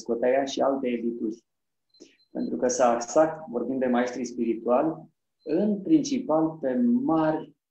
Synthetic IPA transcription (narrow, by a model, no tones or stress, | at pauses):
skot̪ajaʃialt̪e̞ːd̪it̪urʲ | pe̞nt̪ɾukəsaːksat̪vo̞rbind̪d̪e̞mae̞st̪ɾispiɾit̪ualʲ | ɨnpɾint͡ʃipalpe̞marʲ